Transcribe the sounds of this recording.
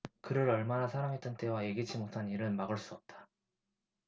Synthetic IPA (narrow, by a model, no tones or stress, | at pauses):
kɯɾɯɾʌɭmanasʰaɾaŋɦet͈ɯnt͈e̞waje̞ɡid͡ʑʰimotʰaniɾɯɭmaɡɯɭs͈uʌp̚t͈ḁ